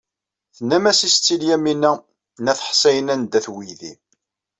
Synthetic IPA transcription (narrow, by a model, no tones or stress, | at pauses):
θənːæmæsist͡sːiljæminːæ | næθħsæjənænd̪æθwijðḭ